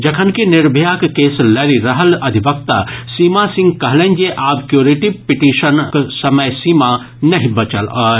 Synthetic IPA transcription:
d͡ʒɐkʰənkinɪɾbʱjakkeːslɐɾiɾɐɦəlɐd̪ʱibək̚t̪asiːmasĩŋɡ̚kɐɦlɛ̃nʲd͡ʒeʔaːbkjoːɾeʈipiʈiːʃənksɐməjsiːma | nɐɦĩbɐt͡ʃəlɔːɾ

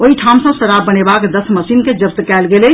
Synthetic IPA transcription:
oɦiʈʰam̃sə̃səɾabbːənebakd̪əsməsinked͡ʒəbt̪kɛlɡelɛ

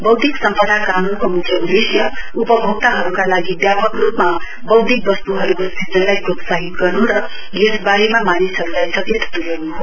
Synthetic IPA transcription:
bʌwd̪ʱiksʌmpʌd̪ʱakanunkomut͡sʰʌud̪esjʌupʌbʱʌɡ̚t̪aɦʌɾukalaɡibjapʌkrupma | bʌwd̪ʱik̚bʌst̪uɦʌɾukosid͡zʌnlajɡot̪saɦit̪ɡʌrnuɾʌ | esbaɾemamanisɦʌɾulajsʌkit̪ʰːt̪uɾenuɦo

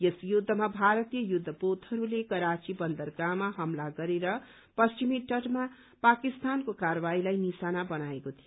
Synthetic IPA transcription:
jesjud̪ʱːʌmabʱaɾʌt̪ijʌjud̪ʱːʌpot̪hʌɾulekʌɾat͡sibʌnd̪ʌrɡamaɦʌmlaɡʌɾeɾʌ | pʌst͡ʃimiʈʌʈma | pakist̪ankokaɾʌbailajnisanabʌnaekot̪ʰijo

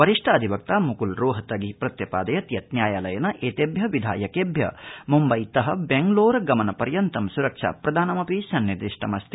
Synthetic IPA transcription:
ʋɐɾiʂʈʰɐːd̪ʱibɐk̚t̪aːmukulɾoːɦɐt̪ɐɡipɾɐt̪jɐpaːd̪ɐjɐt̪jɐt̪̚njaːjaːlɐjɐnɐʔeːt̪eːbʱjɐʋid̪ʱa̰ːjɐkeːbʱjɐ̰mumbɐjt̪ɐɦɐbeŋɡloːɾɐɡɐmɐnɐpɐɾjɐnt̪ɐmsuɾɐkʂa̰ːpɾɐd̪ʱaːnɐmɐpisɐnːiɾd̪iʂʈʰɐmɐst̪ʰi̥

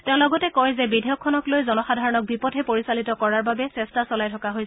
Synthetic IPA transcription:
tɛ̃ʊ̃lɔɡɔtɛkɔjzɛbidʱɛjɔkʰːɔnɔklojzɔnɔxadʱaɹɔnɔk̚bipɔtʰɛpoɹisalitɔkɔɹaɹbabɛsɛstasɔlajtʰɔkaɦojsɛ

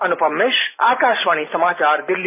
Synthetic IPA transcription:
ənupəmːɪʃa̰ːkaʃʋañisəmaːt͡ʃaɾd̪ɪlːi

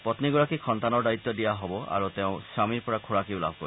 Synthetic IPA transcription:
pɔt̪niɡɔɭakikʰɔnt̪anɔɾd̪ait̪ːɔdijaɦɔbɔʔa̰ɾut̪eʊ̃samiɾpɔɾakʰoɽakiula̰bʱɔkɔɾi

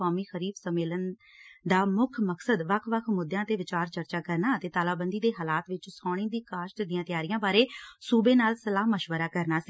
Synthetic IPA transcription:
aːmiːxəɾiːbsəmeːlən | d̪aːmʊkʰməksəd̪ʋəkʰʋəkʰmʊd̪jãːt̪eːʋɪt͡ʃaːɾt͡ʃəɾt͡ʃaːkəɾnaːət̪eːt̪aːlaːbənd̪iːd̪eːɦaːlaːt̪ʋɪt͡ʃsɔːɽ̃ĩːd̪iːkaːʃʈd̪ɪijãːt̪ɪjaːɾɪjãːbaːɾeːsuːbeːnaːlsəlaːməʃʋəɾaːkəɾnaːsi

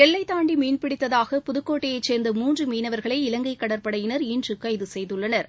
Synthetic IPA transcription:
ɛlːɐɪt̪ːaːɳɖimiːnpɪɽɪt̪ːɐðaːɣɐpʊðɯkːoːʈːɐjɐɪt͡ʃːeːɾnd̪ɐmuːndrɯmiːnɐʋɐɾɣɐɭɐɪɪlɐŋɡɐɪkːɐɽɐɾpɐɽɐjɪnɐɾiːndrɯkːɐɪðɯsɛjðɯɭːɐnɐɾ

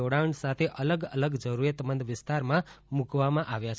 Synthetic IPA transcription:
oɽaəɳsat̪ʰeʔələɡələɡd͡ʒəɾuɾjət̪mənd̪ʱʋɪst̪aɾmãmũkʰʋamãʔaʋjat͡ʃʰ

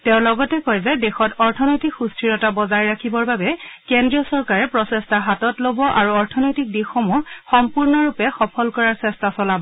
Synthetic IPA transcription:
tɛʊ̃lɔɡɔtɛkɔjzɛdexɔtɔɹtʰɔnɔjtikxustʰɹiɹɔtabɔzajɹakʰibɔɹbabɛkendɹijɔsɔɹkaɹɛpɹɔsɛstaɦatɔtlobɔʔaɹuɔɹtʰɔnɔjtik̚dixɔmuɹxɔmpuɹnɔɹupɛxɔpʰɔlkɔɹaɹsɛstasɔlabɔ

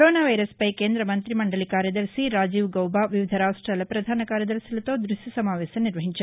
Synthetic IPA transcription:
ɾoːnaːʋɐjɾɐspɐjkeːnd̪ɾɐmɐnt̪ɾimɐɳɖɐlikaːɾjɐd̪ɐɾsiɾaːd͡ʒiːʋɡɐwbaːʋiʋid̪ʱɐɾaːʂʈɾalɐpɾɐd̪ʱaːnɐkaːɾjɐd̪ɐɾsilɐt̪oːd̪ɾuʃisɐmaːʋɛːsɐniɾʋɐɦiɲt͡ʃɐ

